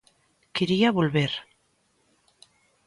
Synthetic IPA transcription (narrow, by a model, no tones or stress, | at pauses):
keɾiaβolβeɾ